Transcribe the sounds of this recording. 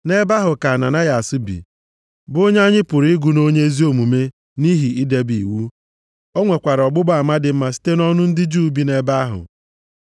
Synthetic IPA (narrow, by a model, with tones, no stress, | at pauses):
ne˦ba˦ɦʊ˨ka˨a˨na̰˨na˦ja˨a˨sɪ˦bḭ˨ | bʊ˦o˦ɲ˦a˦ɲɪ˦pʊ˨ɾi˦ɪ˦ɡu˨no˦ɲe˦zi˦o˨mu˨me˦ | ni˦ɦi˨i˦de˦bḭ˨wu˦ | o˦ŋʷe˨kʷa˨ɾɔ˨ɡ͡bʊ˦ba˨ma˦dɪ˨m̩˦ma˨si̥˦te˦nɔ˦nʊ˦n̩˦dɪ˦d͡ʒuː˦˨˦bi˦ne˦ba˦ɦʊ̰˨